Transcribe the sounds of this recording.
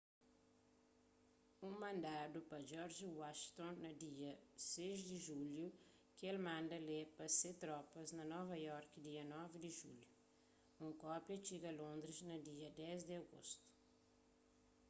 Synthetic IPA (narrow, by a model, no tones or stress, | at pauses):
ũmɐ̃nd̪ad̪upɐd͡ʒɔɾʒiwaʃt̪õnnɐd̪iɐseʒd̪ɪʒulju | kelmãnd̪ɐlepɐset̪ɾɔpɐznɐnɔvɐjɔɾkd̪iɐnɔvid̪iʒṵlju | ũŋkɔpjɐt͡ʃiɡɐlõnd̪ɾiznɐd̪iɐd̪ɛzd̪ɪɐɡo̰st̪u̥